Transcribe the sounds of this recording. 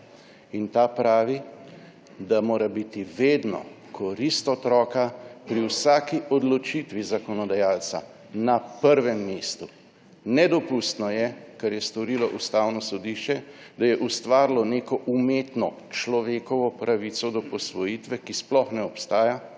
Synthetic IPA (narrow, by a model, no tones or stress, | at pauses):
int̪apɾaːʋi | d̪amoːɾabit̪iʋeːd̪nɔ̰ | kʰɔɾist̪ɔt̪ɾɔːkapɾiwsaːkiʔɔd̪lɔt͡ʃit̪ʋizakɔnɔd̪ajaːlt̪sa̰ | napəɾʋɛmːeːst̪u | nɛd̪ɔpust̪nɔjɛkaɾjɛst̪ɔɾilɔʔust̪aːwnɔsɔd̪iʃt͡ʃɛd̪ajɛʔust̪ʋaːɾlɔneːkɔʔumeːt̪nɔ | t͡ʃlɔʋeːkɔʋɔpɾʔaʋit̪sɔd̪ɔpɔsʋɔjit̪ʋɛkisplɔxnɛɔpst̪aːja